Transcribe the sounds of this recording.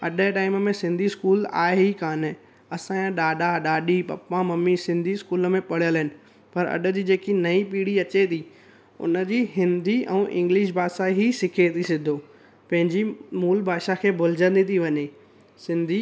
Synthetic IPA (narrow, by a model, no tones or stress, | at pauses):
ɐɗəʈaːɪməmẽsɪ̃nd̪ʱiskuːla̰ːeɦikaːnɪ | ɐsããɗaːɗaɗaːɗipɐ̰pːãmɐmːisɪ̃nd̪ʱiskuːlə̆mẽpɐɽ̤ijəlɦɪnɪ̆ | pɐɾɐ̰ɗə̆d͡ʑiːd͡ʑeːkinɐipiːɽiɐt͡ɕet̪ʰi | ʊ̰nə̆d͡ʑiːɦɪ̃nd̪ʱiɛ̰̃ːʔɪ̰̃ŋɡlɪʃ̬baːsaɦisɪkʰet̪ʰisɪd̪ʱo | pɐ̃ɦɪ̃ɲd͡ʑimuːlbʱaːʃakʰeːbʱʊl̤ɪd͡ʑə̃nd̪it̪ʰiʋɐɲeː | sɪ̃nd̪ʱi